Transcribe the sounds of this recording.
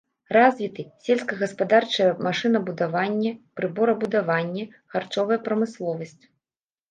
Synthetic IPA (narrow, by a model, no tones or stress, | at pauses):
razʲvʲit̪ɨsʲelʲskɐɣɐspad̪art͡ʂɐjɐmaʂɨn̪ɐbud̪avanʲːɛpɾɨbɔɾɐbud̪avanʲːɛ | xart͡ʂɔvɐjɛpɾɐmɨslˠɔvɐsʲt͡sʲ